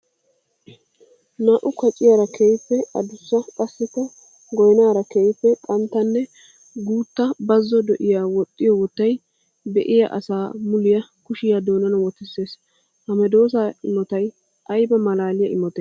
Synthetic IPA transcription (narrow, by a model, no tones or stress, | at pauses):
naːʔʊkʰɔt͡ʃʼɪjaɾɐkʰejpːɛɐd̪ʊsːɐkʼɐsːɪkːɐ | ɡɔjnaːɾɐkeːjpːɛkʼɐnt̪ːɐnːɛ | ɡuːt̪ːɐbɐzːɔd̪ɛʔɪjaːwɔt̪ʼːɪjɔwɔt̪ːɐj | bɛʔɪjɐ̰ʔɐ̰saːmʊlɪjɐkʊʃɪjad̪oːnɐnɐwɔt̪ːɪsːe̞ːs | hɐmɛd̪o̞ːs̬aɪmɔt̪ɐj | ʔɐjbɐmɐlaːlɪjɐʔɪmɔt̪ɛː